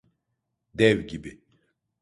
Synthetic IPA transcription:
d̪ɛvɟibi

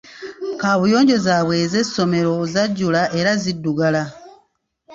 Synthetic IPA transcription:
kaːβujo̞ːɲɟo̞zaːβwe̞ːze̞so̞me̞ɾo̞zaɟːulaʔe̞ɾazidːuɡala

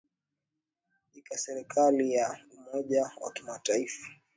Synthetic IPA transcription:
ikasɛɾikʰalijaumɔʄawa̰kimataifḁ

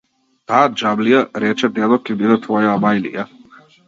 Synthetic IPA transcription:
t̪aːd͡ʒablijaɾɛt͡ʃɛd̪ɛlɔkɛbid̪ɛt̪vɔjaːmajlḭja

